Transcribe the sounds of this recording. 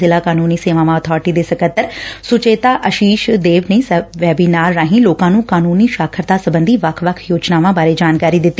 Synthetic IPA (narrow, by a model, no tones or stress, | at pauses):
ɪlaːkaːnuːniːseːʋãːʋãːət̪ʰɔːɾɪʈiːd̪eːsəkət̪ːəɾsʊt͡ʃeːt̪aːʔəʃiːʃd̪eːʋneːsʋɛːbiːnaːɾːaːɦĩːloːkãːnũːkaːnuːniːʃaːkʰəɾt̪aːsəbənd̪iːʋəkʰʋəkʰjoːd͡ʒnaːʋãːbaːɾeːd͡ʒaːnkaːɾiːd̪ɪt̪ːi